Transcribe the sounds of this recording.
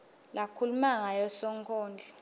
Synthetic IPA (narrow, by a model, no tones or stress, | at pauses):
lakʰulumaŋajɔsɔŋkʰɔːnd͡ɮʱɔ